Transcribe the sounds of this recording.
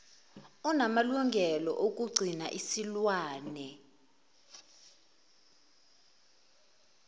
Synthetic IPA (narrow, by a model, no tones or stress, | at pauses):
ɔnamaluŋɡʱɛlɔ̰ʔok̬ʼuɡ͡ǀʱinaʔisilwaːnɛ